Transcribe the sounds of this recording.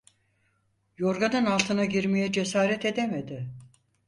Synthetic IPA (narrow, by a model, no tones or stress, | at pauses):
joɾɡanɯnalˠt̪ʰɯnaɟiɾmejɛd͡ʒesaːɾɛt̪e̞d̪emed̪ɪ